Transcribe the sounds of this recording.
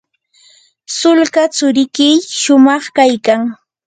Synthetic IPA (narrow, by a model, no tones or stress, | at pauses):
sʊlkat͡sʊɾɪkɪjʃʊmɑχkajkaŋ